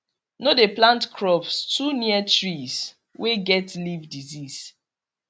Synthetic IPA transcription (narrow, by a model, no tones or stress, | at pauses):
nodeplãntkʰɹɔpstʰuniətɹis | weɡɛtlivdizis